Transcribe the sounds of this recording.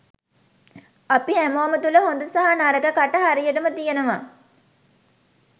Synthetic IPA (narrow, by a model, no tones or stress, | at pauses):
ɐpiæmoːmət̪uləɦond̪usaɦanaɾəɡəkaʈəɦaɾijəʈəmət̪ijenəʋa